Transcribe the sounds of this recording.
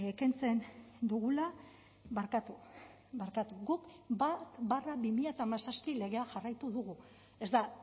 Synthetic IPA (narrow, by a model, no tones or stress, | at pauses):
ekent͡se̞nd̪uɣula | βaɾkat̪u | βaɾkat̪uɣukbat̪baraβimiʎat̪aːmasaspile̞ɣ̞e̞aʝarajt̪uðuɣu | e̞zd̪a